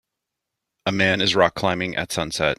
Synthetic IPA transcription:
əmæ̃nɨzɹɑkʰl̥ãɪ̃mɪ̃ŋʔɨ̰tsʌ̃nsɛ̰t̚

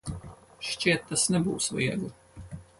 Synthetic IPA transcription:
ɕt͡ɕɛt̪ːasnʲɛbṵwsvɔjɛ̰ɡɔ

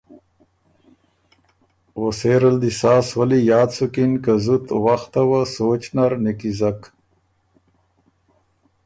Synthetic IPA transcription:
woseːɾɐld̪isaːswɐlijɑːd̪sukinkazut̪waxt̪awasoːt͡ʃnaɾnikizɐk

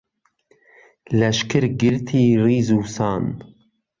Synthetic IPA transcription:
lɛʃkɨɾɡɪɾt̪ʰiːriːzuːsɑːn

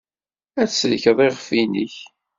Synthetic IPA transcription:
æslçəðˤeʁəfiniç

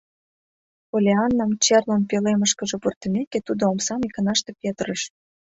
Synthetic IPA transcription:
olʲeɑnːɑmt͡ɕerlonpeleməʃkə̆ʒĕport̪ə̆meket̪ud̪oomsɑmikə̆nɑʃt̪epʲet̪rəʃ

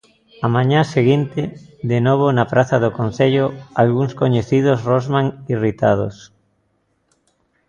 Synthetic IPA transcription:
amãɲaseɣint̪ɪðenoβ̞onapɾaθaðokon̟θeʎoalɣuŋskoɲeθiðosrozmãŋirit̪að̞o̰s

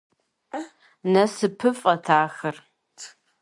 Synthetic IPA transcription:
nɐsɨpʰɨfʼɐtʰaːxɐr

